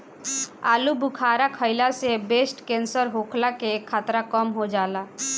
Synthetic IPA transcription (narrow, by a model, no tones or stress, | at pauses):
a̰ːlubʊkʰaːɾakʰəɪlasebesʈkẽnsəɾɦokʰlakekʰːaːt̪ɾakəmɦod͡ʒaːla